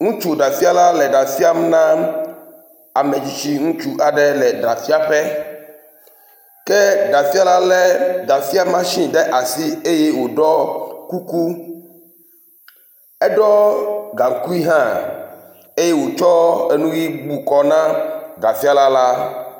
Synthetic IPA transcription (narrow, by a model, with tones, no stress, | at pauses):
ŋũ˦t͡ʃu˦ɖa˨fi˦a˦la˦lɛ˨ɖa˨fi˦a˦m˦nã˦ | a˨mɛ̃˨d͡ʑi˨t͡ɕi˦ŋũ˦t͡ʃu˦ʔa˨ɖɛ˦lɛ˨ɖa˨fi˦a˦ɸɛ˦ | kɛ˦ɖa˨fi˦a˦la˦lɛ˨ɖa˨fi˦a˦mã˦ʃĩ˦ɖɛ˦ʔa˨si˦e˦je˦wo˨ɖɔ˦ku˦ku˦ | ɛ˦ɖɔ˦ɡã˨ŋ˨ku˦i˦ɦã˦ | e˦je˦wo˨t͡ʃɔ˦e˦nũ˦wi˦ɡ͡bu˨kɔ˦nã˦ɖa˨fi˦a˦la˦la˦